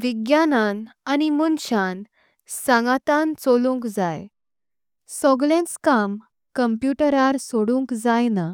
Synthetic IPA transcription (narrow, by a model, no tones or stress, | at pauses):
ʋiɡjanananimunɕan | sãŋɡat̪ãnt͡solũŋkd͡zaj | sɔɡlẽnt͡skam | kəmpjuʈəɾaɾsoɽũŋkd͡zajna